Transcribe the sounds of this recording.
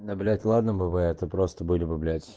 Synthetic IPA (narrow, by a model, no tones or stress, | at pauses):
nɐblʲætʲlˠad̪nəbɨbɨɛt̪əpɾost̪əbɨlʲɪbɨblʲætʲ